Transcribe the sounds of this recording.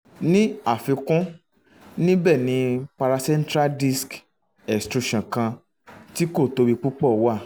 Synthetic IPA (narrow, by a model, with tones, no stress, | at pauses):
nĩ˦a˦˨fĩ˧kɔ̃˦ | nĩ˦bɛ˦˨nĩ˨˦pa˧ɾa˧sɛ̃˦n˦tɾa˦di˦sk | ɛ˨stɾu˧ʃã˨kã˧ | ti˦ko˦˨to˧ɾi˧k͡pu˦k͡pɔ˦˨wa˦˨